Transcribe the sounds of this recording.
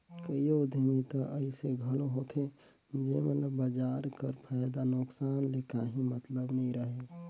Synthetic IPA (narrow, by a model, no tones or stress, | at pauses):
kəiod̪ʱimit̪aʔəɪseɡʱɐloɦoːt̪ʰe | d͡ʒemət̪ləːad͡ʒaːɾkəɾpʰaːɪd̪anʊksaːnlekaːɦĩmət̪ləbnəɦĩɾəɦe